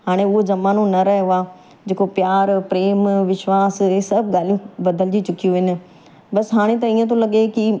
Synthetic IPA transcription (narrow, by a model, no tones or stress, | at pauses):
ɦaːɽ̃eʊɦod͡ʑɐmaːnõnɐɾɐɦaː | d͡ʑeːkopjaːɾpɾeːmʋɪʃʋaːssɐbɠaːl̤ijũbɐd̪ʱəlɪd͡ʑit͡ɕʊkijũʋɪnɪ̆ | bɐsɦaːɽ̃et̪̬ɐiːə̃t̪̬ʰõlɐɠeki